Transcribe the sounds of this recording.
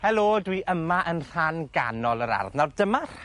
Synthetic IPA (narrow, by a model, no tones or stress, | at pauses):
hɛlˠoːdwiʔəmaʔənr̥anɡa̰nɔlˠəɾa̰rvnawrdəmar̥